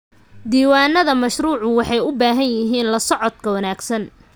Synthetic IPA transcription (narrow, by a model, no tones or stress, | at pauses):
d̪iːwaːnːɐðɐmɐʃruːʕʊwɑħɑjʊbaːɦɐnjɪɦiːnlɐsɔʕɔd̪kʰɐwɐnaːɡsɐn